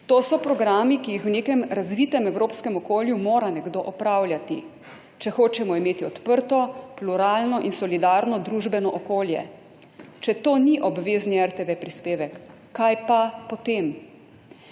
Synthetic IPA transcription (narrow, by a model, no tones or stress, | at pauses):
t̪oːsɔpɾɔɡɾaːmikijixwneːkɛmɾazʋiːt̪ɛmɛwɾoːpskɛmɔkoːljumoːɾanɛɡd̪oːʔɔpɾaːwljat̪i | t͡ʃɛxoːt͡ʃɛmɔimeːt̪iɔt̪pəɾt̪ɔpluɾaːlnɔʔinsɔlid̪aːɾnɔd̪ɾuːʒbɛnɔʔɔkoːljɛ̰ | t͡ʃɛt̪oːniʔɔbʋeːzniɛɾt̪eʋepɾispeːʋɛkː | ajpapɔt̪em